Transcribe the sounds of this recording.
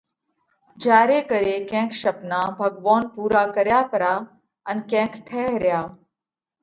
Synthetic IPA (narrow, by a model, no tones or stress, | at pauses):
d͡ʒaːɾeːkəɾeːkɛ̃ːkʰʃɐpnaːbʱɐɡʋoːnpuːɾaːkəɾjaːpəɾaː | ənkɛ̃ːkʰt̪ʰɛːɦɾjaː